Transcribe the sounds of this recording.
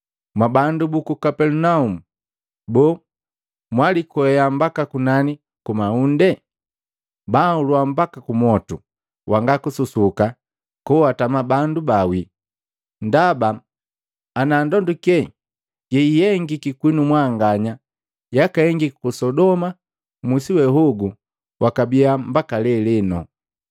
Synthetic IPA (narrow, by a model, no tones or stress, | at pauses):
mwabandubukukapɛlunaumu | bɔː | mwalikɔɛjambakakunani | kumaundɛ | baulwambakakumɔtu | wʔaŋɡakususuka | kuatamabandubawi | ndabaː | naːndɔndukɛ | ɡɛijɛŋɡikikwinumwaŋɡaɲa | jakaɛŋɡikikusɔdɔma | musiwɛɦuɡu | wʔakabiambakalɛlɛnɔ